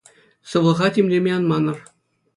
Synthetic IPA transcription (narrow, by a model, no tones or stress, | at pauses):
sɤ̆ʋɤ̆lˠʁɑtʲemʲlʲemʲeɑnmɑnɤ̆r